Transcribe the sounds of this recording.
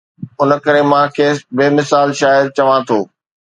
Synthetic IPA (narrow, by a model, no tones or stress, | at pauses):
ʊnəkɐɾemãkʰeːbeːmɪsaːlʃaːjəd̪̚t͡ɕɐʋãt̪ʰoː